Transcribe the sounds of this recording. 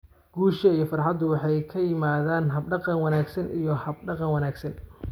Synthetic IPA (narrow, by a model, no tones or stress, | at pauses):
ɡ̥uːʃɐijɔfɑrħɑd̪ʊwɑħɑjkʰɐjɪmaːðaːnɦɐbɖɑqɑnwɑnaːɡsɐnʔḭjɞhɐb̚ɖɑqɑnwɑnaːɡsɐn